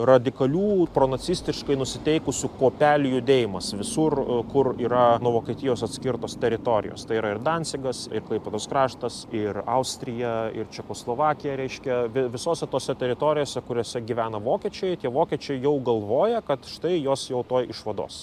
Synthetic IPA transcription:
rɐd̪ʲɪkɐlʲuːpɾoːnɐsʲiːsʲt̪ʲɪʃkɐɪnʊsʲɪt̪ʲɛɪkʊsʲʊkoːpʲæːlʲʊjʊd̪ʲeːjɪmɐsʋʲɪsurkʊriːɾɐnuɔʋoːkʲiɛt̪ʲɪjoːsɐt̪ʲsʲkʲɪrt̪oːst̪ʲɛɾʲɪt̪oːɾʲɪ̰jo̰ːst̪ɐɪiːɾɐɪrd̪ɑːnʲsʲɪɡɐsɪ̰rklˠɐɪpʲɛd̪oːskɾɑːʃt̪ɐsɪrɐʊsʲt̪ʲɾʲɪjɛɪ̰rt͡ʃʲɛkoːslˠoːʋɑːkʲɪjɛɾʲɛɪʃʲkʲɛʋʲɪʋʲɪsoːsʲɛt̪oːsʲɛt̪ʲɛɾʲɪt̪oːɾʲɪjoːsʲɛkʊɾʲoːsʲɛɡʲiʋʲæːnɐʋoːkʲiːt͡ʃʲɛɪt̪ʲiɛʋoːkʲiɛt͡ʃʲɛɪjɛʊɡɐlˠʋoːjɛkɐt̪ʃɪ̥t̪ɐɪjoːsjɛʊt̪oːjɪʃʋɐd̪o̰ːs

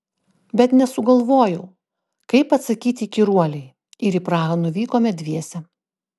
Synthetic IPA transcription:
bʲɛt̪nʲɛsʊɡɐlˠʋoːjɛʊ | kɐɪpɐt̪sɐkʲiːt̪ʲɪkʲɪɾuɔlʲɛɪ | ɪɾipɾɑːɣɐnʊʋʲiːkoːmʲɛd̪ʲʋʲiɛsʲɛ

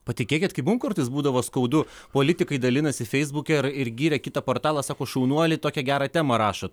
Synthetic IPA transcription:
pɐt̪ʲɪkʲeːkʲɪt̪kɐɪmʊmkʊrt̪ɪsbuːd̪ɐʋoːskɐʊd̪ʊpoːlʲɪt̪ʲɪkɐɪd̪ɐlʲɪnɐsʲɪfʲɛɪzbuːkʲɛɪɾɪrɡʲiːɾʲɛkʲɪt̪ɐpoːɾt̪ɑːlˠɑsɑːkoːʃɐʊnuɔlʲɪt̪oːkʲɛɡʲæːɾɑt̪ʲæːmɐɾɑːʃoːt̪

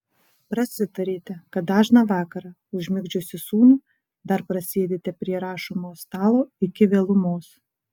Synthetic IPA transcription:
pɾɐsʲɪt̪ɐɾʲiːt̪ʲɛkɐt̪̚d̪ɑːʒnɑʋɑːkɐɾɑ | ʊʒʲmʲɪɡd͡ʒʲʊsʲɪsuːnu | d̪ɐɾpɾɐsʲeːd̪ʲeːt̪ʲɛpʲɾʲiɛɾɑːʃomoːst̪ɑːlˠoːɪkʲɪʋʲeːlˠʊmoːs

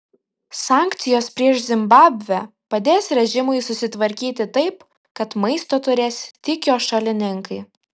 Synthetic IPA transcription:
sɑːˑŋʲkt̪sʲɪjoːspʲɾʲiɛʃzʲɪmbɑːbʲʋʲɛ | pɐd̪ʲeːsɾʲɛʒʲɪmʊɪsʊsʲɪt̪ʋɐɾʲkʲiːt̪ʲɪt̪ɐɪp | kɐt̪mɐɪst̪oːt̪ʊɾʲeːsʲt̪ʲɪkʲoːʃɐlʲɪnʲɪŋkɐɪ

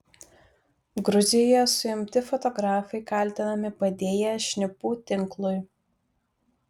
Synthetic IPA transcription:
ɡɾʊzʲɪjɔjɛsʊɪmʲt̪ʲɪfɔt̪ɔɡɾɑːfɐɪkɐˑlʲˑt̪ʲɪnɐmʲɪpɐd̪ʲeːjɛʃʲnʲɪpuːt̪ʲɪŋklˠʊɪ

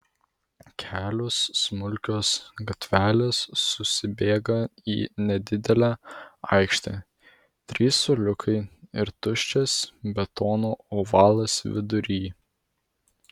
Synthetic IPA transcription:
kʲʰæːlʲoːsːmʊlʲkʲoːsɡɐt̪ʲʋʲæːlʲesːʊsʲɪbʲeːɡɐḭːnʲɛd̪ʲɪd̪ʲɛlʲæːɐ̰ˑɪkʃʲt̪ʲɛ | t̪ʲɾʲiːsʊlʲʊkʰɐɪɪ̰ɾt̪ʊʃʲt͡ʃʲɛsbʲɛt̪oːnoːoːʋɑːlˠɐsʋʲɪd̪ʊɾʲiː

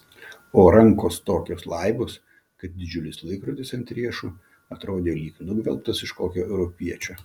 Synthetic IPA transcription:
oːɾɐŋkoːst̪oːkʲoːslˠɐɪboːs | kɐt̪̚d̪ʲɪd͡ʒʲʊlʲɪslˠɐɪkɾot̪ʲɪsɐnʲt̪ʲɾʲiɛʃu | ɐt̪ɾoːd̪ʲeːlʲiːknʊɡʋʲɛ̰lˠp̚t̪ɐsɪʃkoːkʲoːʔɛʊɾɔpʲiɛt͡ʃʲoː

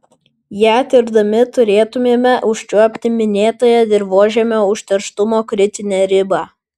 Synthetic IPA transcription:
jæːt̪ʲɪɾd̪ɐmʲɪt̪ʊɾʲeːt̪ʊmʲeːmʲɛʔʊʃʲt͡ʃʲuɔpʲt̪ʲɪmʲɪnʲeːt̪oːjɛd̪ʲɪɾboːʒʲɛmʲoːʊʃʲt̪ʲɛɾʃt̪ʊmoːkɾʲɪt̪ʲɪnʲeːɾʲɪbɑː

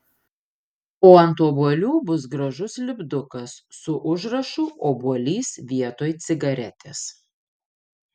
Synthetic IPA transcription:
poːɐnt̪oːbuɔlʲuːbʊs̬ɡɾɐʒʊslʲɪbd̪ʊkɐsːʊʔʊʒɾɐʃuʔoːbuɔlʲiːsʋʲiɛt̪oːjt̪sʲɪɡɐɾʲɛt̪ʲeːs

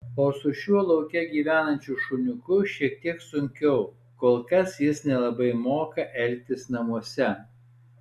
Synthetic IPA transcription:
oːsʊʃʲuɔlˠɐʊkʲɛɡʲiːʋʲæːnɐnʲt͡ʃʲʊʃʊnʲʊkʊʃʲiɛk̚t̪ʲiɛksʊŋʲkʲɛʊ | koːlˠkɐsjɪsnʲɛlˠɐbɐɪmoːkɐʔɛlʲˑt̪ʲɪsnɐmuɔsʲɛ

